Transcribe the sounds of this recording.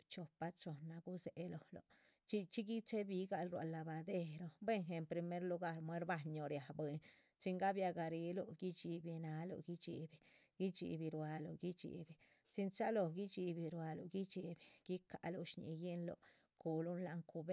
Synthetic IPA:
t͡ʃo˨pa˧t͡ʃo˨nːa˧ɡu˦se˨˦lo˨lo̰˨ | t͡ʃi˦t͡ʃi˦ɡi˦t͡ʃe˦bi˧ɡa˧lɾwa̰˨lːa˨ba˨d̪e˧ɾo˧be˦ŋxe˨mpɾi˧me˦ɾlu˧ɡa˦ɾmwe˦ɾba˧ɲo˨ɾja˨bwe˨n | t͡ʃi˧ŋɡa˦bja˧ɡa˨˧ɾi˧˦lo˧˨ɡi˦t͡ʃi˧bi˧na˧˦lo̰˨ɡi˦t͡ʃḭ˨bi˨ | ɡ̥i˦t͡ʃḭ˧bi˧ɾwa˧lo̰˨ɡi˦t͡ʃḭ˨bi˨ | si˧nt͡ʃa˦lo˧ɡi˦t͡ʃi˧bi˧ɾwa˧lo̰˨ɡi˦t͡ʃi˧be˨ɡ̥i˦ka̰˨lo˧ʃɲḭ˧je˦nlo̰˨ | ku˨lu˦nla˧ŋku˧be˦

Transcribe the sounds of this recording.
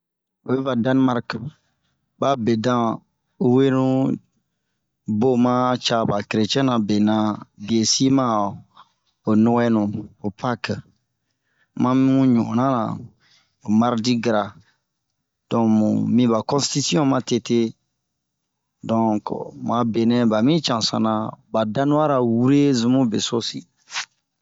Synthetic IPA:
o˨be˦va˨dã˦n˦ma˦ɾk | ba˦be˨dã˦ | u˦we˦nũ˦ | bo˦mã˦t͡ʃa˧ba˨kɾe˨t͡ʃɛ̃˦nã˨be˨nã˦bi˨e˨si˦mã˦ | o˨nũ˦wɛ˦nũ˨o˨pʰa˦k | mã˦mi˦ũ˦ɲu˨õ˨nã˦nã̰˨ | o˨ma˦ɾdi˦ɡɾa˨ | d̥ɔ̃˨mṵ̃˨mĩ˦ba˨kɔ̃˦si̥ti˦si˦ɔ̃˦mã˨te˨te˦ | dɔ̃˨kmã˨be˨nɛ̃˦ba˨mĩ˦t͡ʃã˨sã̰˨nã˨ba˨dã˦nũ˦a˦ɾa˨wu˦ɾe˦zũ˨mũ˦be˨so˦si˨

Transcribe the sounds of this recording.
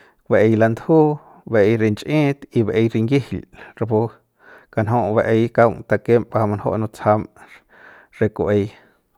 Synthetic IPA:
kbe˧˨ʔe˧jla˧nd̪huː˦ | be˧˨ʔe˧jɾe˧nt͡ʃʼʔẽː˦t̪i˧be˨ʔe˧jɾi˧ŋɡi˦hlɾa˧bo˦ | ka˧nɦõ˧ʔbe˧ʔe˧jka˧wŋt̪a˧ke˦mpa˧hma˧nho̰˦ʔnõ˧t͡sha˧m | ɾe˧ku˨ʔe˧j

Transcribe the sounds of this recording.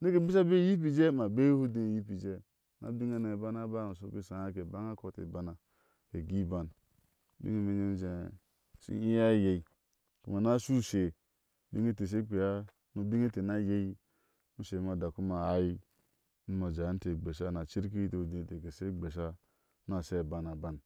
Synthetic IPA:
ne˦ke˨bi˦s̬a˦be˦ji˦p̬i˨d͡ʒe˦ma˨be˦jhu˦de˦˨ji˦pi˨d͡ʒe˦ | na̰˨bi˦ŋe˦ne˨ba˦na˦ba˦˨mu˨s̬o˦ki˦˨sa˨ja˦ke˨ba˦ŋa˦ko˦tḛ˨ba˨na˨ | ke˨ɡi˦ba˨n˦ | bḭ˦ŋe˦me˦ɲe˦n˦d͡ʒe˨ | sḭ˦i˦ja˦je˨i˨ | ku˨˦ma˨na˦su˦se˨ | bi˦ŋe˦te˨s̬e˦k͡pe˨ja˦ | nu˦bi˦ŋe˦te˨na˦je˦i˦ | mu˦ʃe˨ma˨da˨ku˦ma˨a˦ji˦ | nu˦ma˨d͡ʒa˨˦n̩˦te˨ɡ͡be˨ʃa˦na˨t͡ʃi˦ɾk̬i˦i˦te˨hu˨de˨te˨ke˨se˦ɡ͡be˨ʃ̬a˦ | n˦a˨se˦˨ba˨na˨ba˦n

